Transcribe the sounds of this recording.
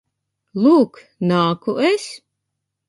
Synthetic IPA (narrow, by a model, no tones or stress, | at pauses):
lˠuːk | naːkuʔes